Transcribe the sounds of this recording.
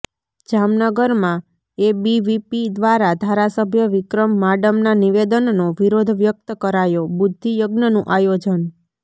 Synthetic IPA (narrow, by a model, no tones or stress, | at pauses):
d͡ʒamnəɡəɾmã | ebiʋipid̪ʋaɾad̪ʱaɾasəbʱjəʋɪkɾəmːaɖəmnaniʋed̪ənnoʋiɾod̪ʱʋjək̚t̪əkəɾajobʊd̪ʱːijəɡnənũʔajod͡ʒən